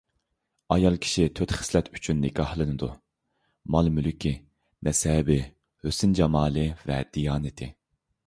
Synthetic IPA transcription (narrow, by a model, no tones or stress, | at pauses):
ɑjɑlˠkʲʰi̥ʃit̪ʰøt̪χɪ̥slɛt̪ʰy̥t͡ʃʰynːɪkʰɑhlˠɨnɨd̪ṵ | mɑlˠmylkʲʰi | nɛsɛːbɪ | høsɪnd͡ʒɑmɑːlˠɨvɛd̪̥ijɑːnɪt̪ʰɪ